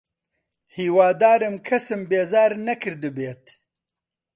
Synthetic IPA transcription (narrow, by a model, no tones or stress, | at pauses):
hiːwaːd̪aːɾɨmkʰɐsɨmbeːzaːɾnɐkɨɾd̪ɨbeːt̪